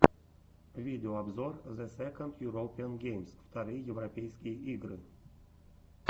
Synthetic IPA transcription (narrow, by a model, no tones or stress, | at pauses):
vʲidʲɪoabzorzɛsʲɛkond̪juɾopʲianɡʲejmsft̪aɾɨjjɛvropʲejskʲijəʔiɡrɨ